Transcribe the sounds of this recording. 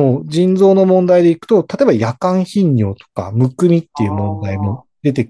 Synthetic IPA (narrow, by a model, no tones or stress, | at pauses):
oːd͡ʑĩnd͡zo̞ːno̞mõ̞nd̪aid̪e̞ikɯ̟̥t̪o̞t̪at̪oebajakãɰ̃çĩɲːʲo̞̰ːt̪o̥ka̰mɯ̟kɯ̟mʲit̪ːe̞jiɯ̟mõ̞nd̪aimo̞ | d̪e̞t̪e̞